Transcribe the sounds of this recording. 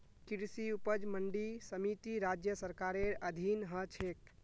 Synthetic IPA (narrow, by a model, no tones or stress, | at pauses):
kiɾsiupəd͡ʒməɳɖisəmit̪iɾad͡ʒjəsəɾkaɾeɾəd̪ʱinɦət͡ʃʰek